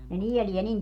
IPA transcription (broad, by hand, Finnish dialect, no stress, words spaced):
ne nielie nin